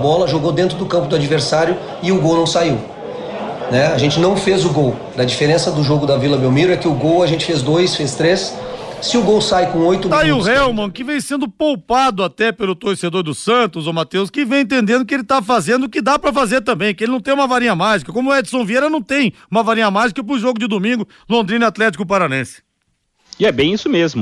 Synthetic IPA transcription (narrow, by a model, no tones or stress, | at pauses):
bɔlɐʒoɡod̪ẽnt̪ɾʊd̪ʊkɐ̃mpʊd̪ʊad͡ʒiveɾsaɾjʊ | ɪʊɡownɐ̃w̃saiw | nɛaʒẽnt͡ʃɪnɐ̃w̃fezʊɡow | d̪ɐd͡ʒifeɾẽsɐd̪ʊʒoɡʊd̪ɐvilɐbewmiɾʊɛkɪʊɡowɐʒẽnt͡ʃɪ̥fezd̪ojsfest̪ɾesːɪʊɡowsajkõojt̪ʊaiʊhewmɐ̃kɪvẽj̃sẽnd̪ʊpowpad̪ʊat̪ɛpelʊt̪oɾsed̪oɾd̪ʊsɐ̃nt̪ʊzomat̪ewskɪvẽj̃ẽnt̪̬ẽnd̪ẽnd̪ʊkɪelɪt̪afazẽnd̪ʊkɪd̪apɾɐfazeɾt̪ɐ̃mbẽj̃kɪelɪnɐ̃t̪ẽj̃ũmɐvaɾĩɲɐmaʒikɐkõmʊɛd͡ʒɪsɐ̃w̃viejɾɐnɐ̃w̃t̪ẽj̃ũmɐvaɾĩɲɐmaʒikɐp̬ɾʊʒoɡʊd͡ʒɪd̪omĩŋɡʊ | lõnd̪ɾĩnɪat̪lɛt͡ʃikʊp̬aɾanẽsɪ̥ | ɪɛbẽj̃isʊmezmʊ